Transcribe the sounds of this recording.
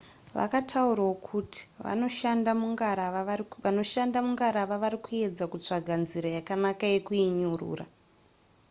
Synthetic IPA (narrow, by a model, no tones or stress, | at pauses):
ʋa̰katʰauɾawokʰuti̥ʋa̰noʃandamuŋɡaɾaʋano̞ʃandamuŋɡaɾaʋaʋaɾikue̞d͡zakut͡ʂaɡʱanziɾajakanakaje̞kuiɲurṵːra̰